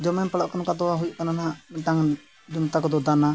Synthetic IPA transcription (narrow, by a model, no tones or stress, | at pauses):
d͡ʒɔmɛnpəɽaʔkanɔkad̪ɔaɦujuʔkananaaʔʈaŋ | d͡ʒunt̪akɔd̪ɔd̪ana